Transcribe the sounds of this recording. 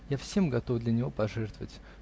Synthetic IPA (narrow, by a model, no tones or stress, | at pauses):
jafsʲe̞mɡɐt̪ofd̪lʲənʲɪvo̞pɐʐɛrt̪əvətʲ